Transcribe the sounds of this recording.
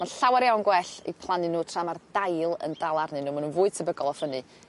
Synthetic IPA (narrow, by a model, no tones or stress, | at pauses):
manɬawaɾjawnɡwɛɬḭpʰlˠanɨnuːtʰr̥amard̥ajlˠə̰ndalˠarnɨnuːmanunvʊːɨd̥̚tʰəbəɡɔlˠɔfənɨ